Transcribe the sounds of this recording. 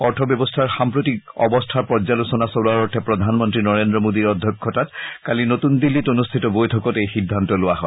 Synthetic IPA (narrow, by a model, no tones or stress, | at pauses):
ɔɹtʰɔbjɔbɔstʰaɹxampɹotikɔ̰bɔstʰaɹpɔd͡ʒzalusɔnasolaɹɔɹtʰɛpɹɔd̪ʱanmɔntɹinɔɹendɹɔmodiɹɔdʱjɔkʰːɔtatkalinotundilːitonustʰitɔbojtʰɔkɔtejxidʱːantɔlʊwaɦɔɪ